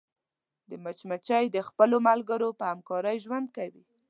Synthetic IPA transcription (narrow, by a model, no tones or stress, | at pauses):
d̪əmat͡ʃmat͡ʃajd̪əxpəlomalɡəɾopəhamkɑɾəjʒwand̪̚kawi